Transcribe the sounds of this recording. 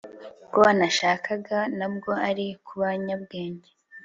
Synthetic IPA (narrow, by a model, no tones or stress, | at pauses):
koanaʃakʰaɡanabɡo̞aɾikʰuβaɲab̚ɡe̞ːɲɟe